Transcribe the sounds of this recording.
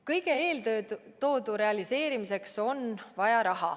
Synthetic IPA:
kɤjɡ̥eeːløt̪o̞ːd̪uɾe̞ɑlise̞ːɾimise̞kso̞nvɑjɑɾɑɦɑ̰

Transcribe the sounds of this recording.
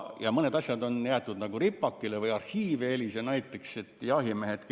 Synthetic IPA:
jɑmɤne̞d̪ɑsjɑd̪o̞njæːt̪ːˑud̪nɑɡuɾipːˑɑkːilevɯjɑrhiːveelisenɑjt̪ːˑe̞kse̞t̪ːˑjɑɦimeɦet̪k

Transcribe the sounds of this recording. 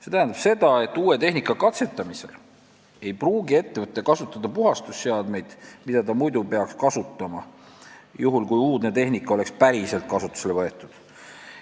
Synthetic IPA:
se̞t̪æɦænd̪ɑb̥se̞d̪̥ɑe̞t̪ːˑuːe̞t̪e̞ɦnikːˑɑkɑt̪se̞t̪ːˑɑmise̞l | e̞jpruːɡie̞t̪ːe̞vɤt̪ˑːekɑsut̪ːˑɑd̪̥ɑpuɦɑst̪usːeɑd̪̥me̞jd̪̥mid̪̥ɑt̪ɑmujd̪upe̞ɑkskɑsut̪ːɑmɑ | juɦulkujuːd̪net̪e̞ɦnikːˑɑo̞le̞kspæɾise̞lt̪̚kɑsut̪ːˑu̥se̞levɤet̪ːˑud̪̥

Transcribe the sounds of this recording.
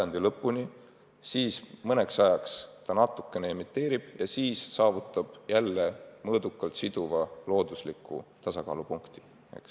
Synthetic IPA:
ɑnd̪̥ilɤpːˑuni | siːsmɤne̞ksɑjɑkst̪ɑnɑt̪ːˑukːˑe̞neemit̪ːe̞ːɾib̥jɑsiːssɑːvut̪ˑːɑb̥jælːe̞mɤːd̪ukːˑɑlt̪sid̪̥uvɑlo̞ːd̪̥uslikːṵt̪ɑsɑkɑ̰ːlupuŋkt̪i̥ | ḛks

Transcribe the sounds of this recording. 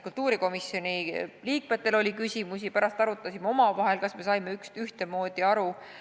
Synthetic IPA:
kult̪ːˑuːɾiko̞misjo̞nʲiliːk̚me̞t̪ːˑe̞lo̞lʲikysʲimusipæɾɑst̪ɑɾut̪ːˑɑsimeo̞mɑvɑɦe̞lkɑsme̞sɑjme̞ykst̪yht̪e̞mo̞ːd̪̥iɑɾu

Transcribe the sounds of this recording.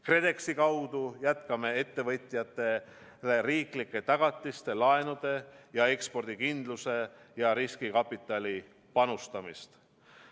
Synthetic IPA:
kre̞d̪e̞ksikɑwd̪̥ujæt̪kɑme̞e̞t̪ːe̞vɤt̪ʲˑijɑt̪ːˑe̞ | leriːklikːˑe̞t̪ɑɡ̥ɑt̪ːˑist̪e̞lɑe̞nud̪̥e̞jɑe̞kspo̞rd̪̥ikind̪luse̞ | jɑɾiskikɑpːˑit̪ːˑɑli | pɑnust̪ɑmist̪

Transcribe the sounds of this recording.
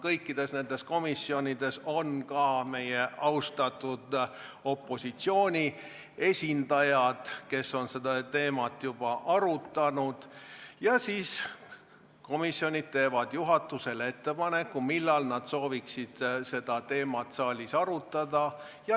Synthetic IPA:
kɤjkːid̪̥e̞sne̞nd̪e̞sko̞misːio̞nʲid̪̥e̞so̞nkɑːme̞je̞ɑwst̪ɑt̪ːˑud̪̥o̞pːˑo̞sit̪sio̞ːnʲi | e̞sʲind̪̥ɑjɑd̪̥ke̞so̞nse̞d̪̥ɑt̪e̞ːmɑt̪ːˑjub̥ɑʔɑɾut̪ːˑɑnud̪̥jɑsiːs | ko̞misːjo̞nʲid̪̥̚t̪e̞ːvɑd̪̥juɦɑt̪ːuse̞lee̞t̪ːe̞pɑnekːumilːɑlnɑd̪̥so̞ːviksid̪̥se̞d̪̥ɑt̪e̞ːmɑt̪sɑːlʲisɑɾut̪ːˑɑd̪̥ɑ | jɑ

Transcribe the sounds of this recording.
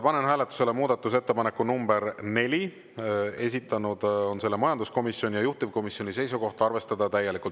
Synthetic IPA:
pɑne̞nɦæːle̞t̪ːˑu̥se̞lemuːd̪̥ɑt̪ːˑus̬e̞t̪ːe̞pɑnekːunumb̥e̞ɾne̞lʲi | e̞s̬ʲit̪ːˑɑnud̪̥o̞nse̞lːe̞mɑjɑnd̪usko̞misːjo̞nʲijɑjuht̪ivko̞misjo̞nʲise̞jsuko̞ht̪ɑɑrve̞st̪ɑd̪̥ɑt̪æjːe̞likˑult̪

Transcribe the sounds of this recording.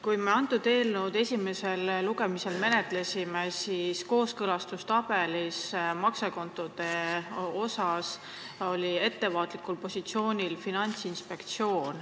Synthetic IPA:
kujmeɑnt̪ːˑud̪̥e̞ːlnud̪̥e̞sʲime̞se̞lːuɡe̞mise̞lme̞ne̞t̪le̞sʲimesisko̞ːskɤlɑst̪ust̪ɑb̥e̞lismɑkseko̞nt̪ːˑod̪̥e̞o̞sɑs | o̞lʲie̞t̪ːe̞vɑːt̪ˑlikulpo̞sʲit̪sio̞ːnʲilfinɑnʲt̪sinspe̞kt̪sio̞ːn

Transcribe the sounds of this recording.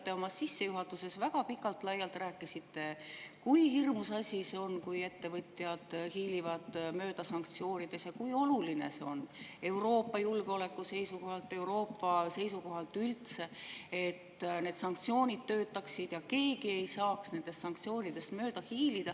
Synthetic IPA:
t̪ːe̞o̞mɑssisːe̞juɦɑt̪ːˑuse̞svæɡ̥ɑpikːˑɑlt̪lɑjːɑlt̪ræːkːˑisit̪ːe̞kujhirmusɑsʲiseo̞nkuje̞t̪ːe̞vɤt̪ʲjɑd̪̥hiːlivɑd̪̥mø̞ːd̪̥ɑsɑŋkt̪sio̞ːnʲid̪̥e̞sjɑkujo̞luline̞̰se̞o̞ne̞wɾo̞ːpːˑɑjulɡ̥eo̞le̞kːˑuse̞jsuko̞ɦhɑlt̪ˑːe̞uɾo̞ːpːɑse̞jsuko̞ɦɑlt̪ːylt̪se̞e̞t̪ːne̞ːd̪sɑŋk̚t̪sio̞ːnʲid̪̥̚t̪ːø̞ːt̪ːˑɑksid̪̥jɑke̞ːɡie̞jsɑːksne̞nd̪̥e̞st̪ːsɑŋkt̪sio̞ːnʲid̪̥e̞st̪mø̞ːd̪̥ɑhiːlid̪̥ɑ

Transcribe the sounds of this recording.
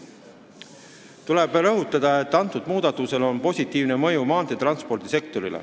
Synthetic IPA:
t̪uleb̥ɾɤɦut̪ːˑɑd̪̥ɑe̞t̪ːɑnt̪ːˑud̪̥muːd̪̥ɑt̪ːˑuse̞lo̞npo̞sʲit̪ːˑiːvnemɤjumɑːnt̪et̪rɑnspo̞rd̪̥ise̞k̚t̪o̞ɾilḛ

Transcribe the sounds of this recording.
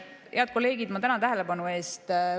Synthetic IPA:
heɑd̪̚ko̞lːe̞ːɡid̪̥mɑt̪ænɑt̪æɦele̞bɑnue̞ːst̪

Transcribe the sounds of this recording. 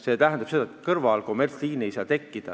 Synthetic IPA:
se̞t̪æɦɛnd̪ɑb̥se̞d̪̥ɑet̪kɤrvɑlkomert̪sliːniejsɑːt̪e̞kːid̪̥ɑ

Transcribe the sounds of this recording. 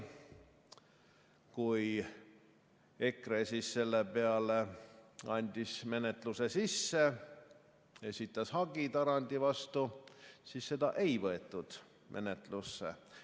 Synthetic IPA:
kuj | e̞kresisse̞lːepe̞ɑleɑnʲd̪̥ʲisme̞net̪ˑluse̞sisːe | e̞sʲit̪ːˑɑshɑɡ̥it̪ɑɾɑnʲd̪̥ivɑst̪usiːsːe̞d̪̥ɑʔe̞jvɤet̪ˑːud̪̥ | mʔe̞̰ne̞t̪lusːḛ

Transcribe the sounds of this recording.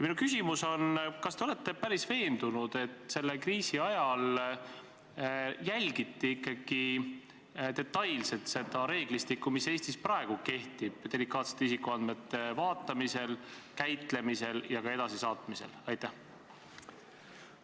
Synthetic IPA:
jɑminukysimuso̞nkɑst̪e̞ole̞t̪ːˑe̞pæɾisve̞ːnd̪̥unud̪̥e̞t̪ːˑse̞lːekriːsiɑjɑl | jælʲɡ̥it̪ˑːiikˑːɑɡ̥i | t̪e̞t̪ːɑjlse̞t̪se̞d̪ɑɾe̞ːɡ̥list̪ikːumise̞ːst̪ispɾɑeɡ̥uke̞ht̪ib̥d̪̥e̞likːˑɑːt̪se̥t̪ːeisikːuɑnd̪me̞t̪ːe̞vɑːt̪ːˑɑmise̞lkæjt̪le̞mise̞ljɑɡɑe̞d̪ɑsisɑːt̪mise̞̰lɑjt̪ːæh

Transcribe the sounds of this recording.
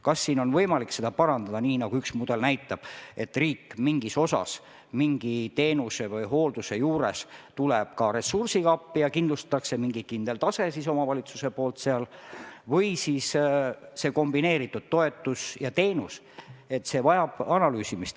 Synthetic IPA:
kɑsːiːno̞nvɤjmɑlikse̞d̪̥ɑpɑɾɑnd̪ɑd̪ɑniːnɑɡ̥uyksmud̪̥e̞lnæjt̪ːˑɑb̥e̞t̪ːriːkːmiŋɡ̥iso̞sɑ̰s | miŋɡ̥it̪e̞ːnuse̞vɤjɦo̞ːld̪̥use̞juːɾe̞st̪uleb̥kɑɾe̞sursiɡɑpːijɑkind̪lust̪ɑ̥t̪ːˑɑkse̞miŋɡikind̪e̞lt̪ɑse̞siso̞mɑvɑlʲit̪su̥se̞po̞ːlt̪seɑlvɤjsisse̞ːko̞mbine̞ːɾit̪ːˑud̪̥̚t̪ːo̞e̞t̪ːˑusjɑt̪e̞ːnus | e̞t̪se̞vɑjɑb̥ɑnɑlyːsimist̪

